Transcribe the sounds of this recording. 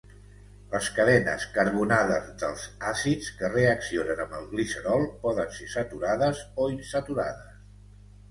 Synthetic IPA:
ləskəðɛnə̰skəɾβ̞unaðəzðəlˠz̥asit͡skəreəksionənəmbəlˠɣlisəɾɔlˠpɔðənsesət̪uɾaðəzoinsət̪uɾa̰ðəs

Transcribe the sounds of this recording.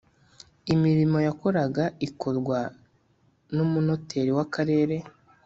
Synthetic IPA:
imiɾimo̞jako̞ɾaɡaiko̞ɾɡwa | numuno̞tʰe̞ɾiwakaɾe̞ːɾe̞

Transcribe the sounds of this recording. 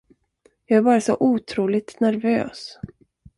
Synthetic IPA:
jɑːɡæɾbɑːɾasɔʔuːt̪ʰɾuːlɪt̪næɾvø̰ːs

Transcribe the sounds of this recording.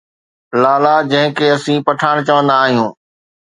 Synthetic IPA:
laːlaːd͡ʑɐ̃ɦɪ̃kʰeːɐsĩːpɐʈʰaːɽ̃t͡ɕəʋə̃nd̪aːɦijũː

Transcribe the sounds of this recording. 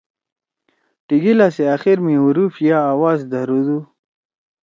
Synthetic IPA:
ʈiɡilaseaxiɾmĩuɾufjaːwɑːzd̪aɾud̪u

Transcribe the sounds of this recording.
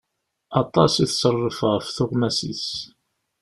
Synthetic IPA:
ɑt̪ˤɑsiθsərˤːəfəʁfθʊʁmæsis

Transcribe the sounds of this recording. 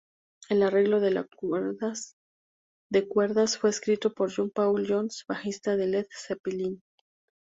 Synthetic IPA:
e̞lare̞ɣlo̞ðe̞la | d̪ekwe̞ɾðasfwe̞ːskɾit̪o̞po̞ɾʝompawljonsbaxist̪aðe̞leðsepilin

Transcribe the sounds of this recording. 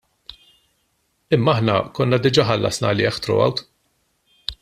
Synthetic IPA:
ɪmːɐɐħnɐkɔnːɐd̪ɪd͡ʒɐːħɐlːʔɐ̰snɐlɪɛxt̪ɾɔ̰ɐ̰wt̪

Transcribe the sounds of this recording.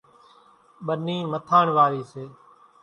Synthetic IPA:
ɓəniːmət̪ʰaːɳʋaːɾiːseː

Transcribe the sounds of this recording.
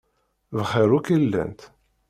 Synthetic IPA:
vəχəɾukəlːə̰nt̪

